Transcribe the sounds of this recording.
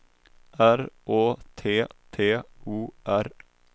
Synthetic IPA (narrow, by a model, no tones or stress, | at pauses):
æɾʔoːt̪ʰeːt̪ʰeːuːʔæɾ